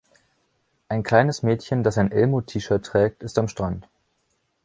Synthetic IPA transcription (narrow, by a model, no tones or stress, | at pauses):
ʔaɪnkʰl̥aɪnəsmɛːtçəndasaɪnʔɛlmoːtʰiːʃəɐtːʁ̥ɛːk̚tɪstamʃtʁ̥ant